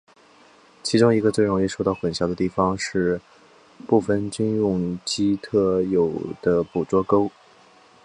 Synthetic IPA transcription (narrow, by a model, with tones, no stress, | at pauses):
t͡ɕʰi˧˥ʈ͡ʂʊ˥ŋi˧˥ɡə˧t͡swe˥˩ɪɻʊ˧˥ŋi˥˩ʂo˥˧ʊt̪ɑ˥˩ʊxwə˨˩nɕjɑ˧˥ʊd̪ə˧t̪i˥˩fɑ˩ŋʂɻ̩˥˧ | pu˥˩fə˩nt͡ɕy˥njʊ˥˧ŋt͡ɕi˥t̪ʰɤ˥˩jo˨˩ʊd̪̥ə˦pu˨˩t͡swɔ˥ko˥ʊ